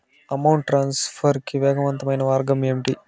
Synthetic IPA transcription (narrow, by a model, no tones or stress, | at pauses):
ɐmɐwɳʈʈɾaːnspʰɐɾkiʋɛːɡɐʋɐnt̪ɐmɐjnɐʋaːɾɡɐmemʈi